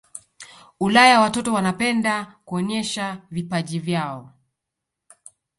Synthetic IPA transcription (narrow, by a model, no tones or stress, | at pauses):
ulajawatɔtɔwanapɛndakuɔɲɛʃavipaʄivjaɔ